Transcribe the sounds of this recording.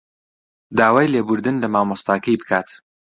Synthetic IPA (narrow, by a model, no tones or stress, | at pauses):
d̪aːwaːjlebʊɾd̪ɨnlɐmaːmɑst̪aːkɐjbɨkʰaːt̪